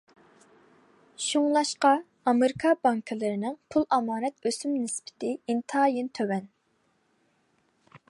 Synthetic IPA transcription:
ʃuŋlˠɑʃqɑ | ɑmɪɾɪkʰɑbɑŋkʰɨlˠɨɾɪnɪŋpʰulˠʔɑmɑːnɛt̪øsymnɪspʰɪ̥t̪ʰɪint̪ʰɑːjint̪ʰøwɛn

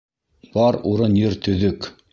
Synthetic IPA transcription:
b̥ɑɾuɾɤnjɘɾt̪ɵ̆ðɵk

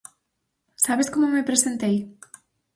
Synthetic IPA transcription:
saβeskomomepɾesent̪ej

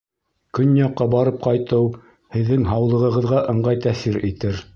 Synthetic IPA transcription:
kɵnjɑqːɑbɑɾɤp̚qɑjt̪ɤw | hɘ̆ðːɘŋɦɑwlˠɤ̆ʁɤ̆ʁɤ̆ðʁɑʔɤ̆ɴɢɑjt̪æθiɾit̪ɘɾ

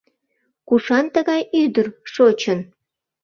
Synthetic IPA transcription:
kuʃɑnt̪əɣɑjyd̪ərʃot͡ɕən

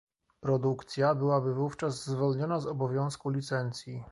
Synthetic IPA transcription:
pɾɔd̪ukt̪sʲjabɘwabɘvuft͡ʂazzːvɔlɲɔnazɔbɔvʲjɔ̃w̃skulʲit̪sɛnt̪sʲji

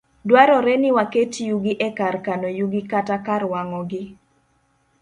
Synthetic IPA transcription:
dwaɾɔɾɛnɪwaketjuɡɪʔɛkarkanojuɡɪkatakaɾwaŋɔɡɪ

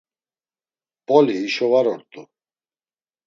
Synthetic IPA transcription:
pʼɔliːʃɔvaɾɔɾt̪ʼu

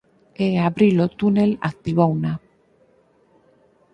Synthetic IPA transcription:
eaβɾilot̪unela̰k̚t̪iβawna

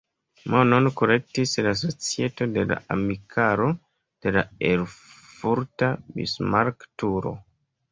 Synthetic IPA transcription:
mononkoɾe̞k̚tislas̬o̞t͡sie̞to̞de̞la̰amikʰaɾo̞ | d̥e̞laeɾ | fuɾtabḭsmaɾktuɾo̞̰

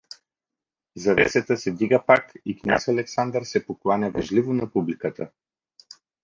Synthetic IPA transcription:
zɐvɛ̰sɛt̪əsɛd̪iɡəpakiknʲa̰sɐlɛksand̪əɾsɛpoklˠanʲavɛʒlivonɐpublikət̪ʰə

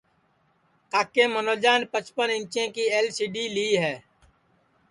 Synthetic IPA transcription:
t̪aːkeːmənoːd͡ʒaːnpət͡ʃpənɪ̃nt͡ʃẽːkiːeːlsiːɖiːliːɦɛː

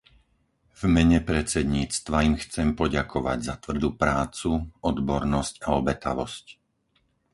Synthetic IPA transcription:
vmɛɲɛpɾɛt͡sɛd̪ɲiːt͡st̪ʋaimxt͡sɛmpɔɟakʰɔʋa̰ɟzat̪ʋr̩d̪uːpɾaːt͡suɔd̪bɔɾnɔscaɔbɛt̪a̰ʋɔsc

